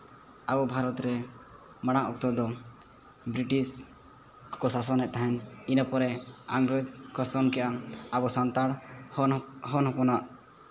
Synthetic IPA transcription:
abɔbʱaɾɔt̪ɾɛ | maɽ̃aʔɔk̚t̪ɔd̪ɔ | bɾiʈis | kɔsas̬ɔnɛt̪̚t̪aɦɛn | inapɔɾɛa̰ŋɡɾəd͡ʒkɔsɔnkɛʔaabɔsant̪aɽ | ɦɔnɦɔpɔnaʔ

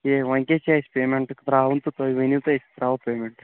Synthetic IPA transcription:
eʋɐŋkʲet͡ʃaːspeːmeɳʈɨkd̪ɾaːwunt̪ut̪ojiʋenit̪ɐest̪ɾaːʋɐpʲeːmeɳʈ

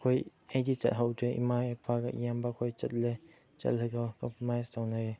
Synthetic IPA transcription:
kʰojejdit͡ʃɐ̰t̚ɦawdeḭmaepʰaɡajambakʰojt͡ʃɐt̚le | t͡ʃɐ̰t̚lɯɡawkɔmpɔmajstawnaj

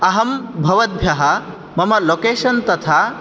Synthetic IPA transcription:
ɐɦɐmbʱɐʋɐd̪̚bʱjɐɦɐ | mɐmɐlokeːʃɐnt̪ɐt̪ʰa

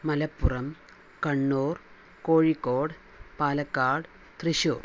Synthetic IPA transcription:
mɐlɐpːurɐm | kɐɳːoːr | koːɻikːoːɽ | paːlɐkːaːɽ | t̪riɕo̰ːr

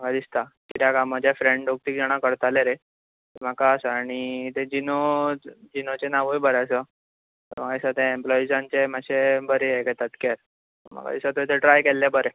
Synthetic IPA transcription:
mməɡad̪ist̪akiɾakaməd͡ʑefɾẽɳɖok̚t̪iːkd͡ʑaɽ̃akəɽt̪aleɾe | t̪em̤əkaəsəaɽ̃it̪ed͡ʑinod͡ʑinot͡ɕenaʋujbəɾeəsə | t̪ə̰ɾm̤əɡaisat̪eemplɔid͡zãnt͡ɕemaɕebəɾejɛɡɛt̪at̪kɛɾ | əm̤a̰ɡa̰d̪isat̪ət̪eʈɾajkɛlːebəɾe

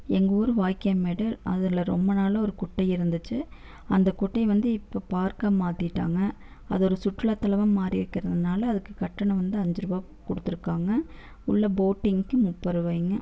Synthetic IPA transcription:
ɛŋɡoːɾɯʋaːjkːɐjɐmeːɽɐlʔɐ̰ðɪlɐɾɔmbɐnaːlɐɔɾɯkʊʈːɐɪɪɾɯnd̪ɯt͡ʃːɯ | ɐnd̪ɐkʊʈːɐɪʋɐnd̪ɯɪpːoːpaːɾkaːmaːt̪ɪʈːaːŋɡɐ | ɐðɔɾɯsʊʈːɯlɐt̪ːɐlɐʋɐmmaːɾiɾɯkːɪɾɐðɯnaːlɐːðɯkːɯkɐʈːɐɳɐ̃ʋɐnd̪ɯɐɲd͡ʒɪɾɯbaː | kɔɽɯt̪ːɯɾɯkːaːŋɡɐ | ʊɭːɐboːʈːɪŋkːɯmʊpːɐɾɯʋɐjŋɡɐ

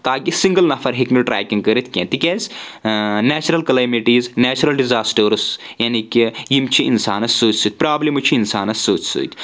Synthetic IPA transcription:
t̪aːkisiŋɡɐlnɐfʰɐɾɦiknuʈɾa̰ːkʲiŋɡkəɾit̪ʰkʲḛ̃ːt̪ikʲeːz | naːt͡ʃɾɐlkɐlɐmiʈiːznaːt͡ʃɐɾɐlɖizaːsʈəɾsjanikʲijimt͡ʃʰiinsa̰ːnɐssoːt͡ʃsɨːt̪̚ʲpɾaːblimut͡ʃʰiːnsaːnɐssoːt͡ʃsṵːt̪ʰʲ

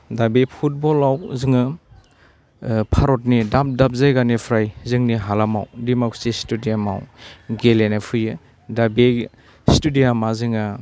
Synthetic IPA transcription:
dabepʰut̚bɔlawzɯŋɯ | pʰaɾɔt̚nidap̚dap̚zajɡanipʰɾajzɯŋniɦalama̰wdimaksestudijama̰wɡelenapʰɯjɯ | dabe | studiamazɯŋa

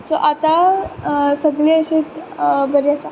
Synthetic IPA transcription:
soʔat̪a | səɡliːəɕet̪bəɾjasa

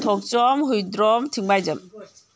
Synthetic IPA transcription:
tʰɔk̚t͡ʃɔmɦɯjdɾɔmtʰiŋbajdɯm

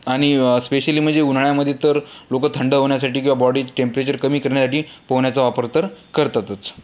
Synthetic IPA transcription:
aɽ̃ispeɕəliːm̤əɳd͡zeunɳjaməd̪ʱːjet̪əɾlokəːt̪ʰəɳɖəɦoɳjasaʈiːkĩw̃ʋabɔɽiːd͡zʈempəɾet͡ɕəɾkəmiːkəɾɳjasaʈiːpəʋɳjat͡saʋapəɾt̪əɾkəɾt̪at̪ət͡s

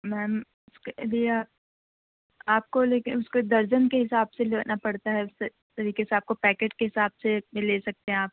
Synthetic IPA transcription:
mɛːm | ʊskelieaːp̚ | aːp̚koleːkɪʊsked̪ɐɾd͡ʒənkeɦɪsaːbseleːnapɐɽt̪aɦɛʊs | t̪ɐɾiːkeseaːp̚kopɛːkeːʈkeɦɪsaːbseleːsɐk̚t̪ẽɦɛ̃aːp̚

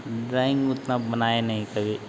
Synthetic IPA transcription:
ɖɾaːɪ̃ŋɡʊt̪nabɐnaːenɐɦĩsɐɡeː

